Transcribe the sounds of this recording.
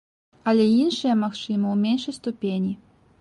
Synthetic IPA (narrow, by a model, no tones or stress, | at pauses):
ɐlʲɛinʂɐjɐmaxt͡ʂɨmɐwmʲenʂɐjst̪upʲenʲi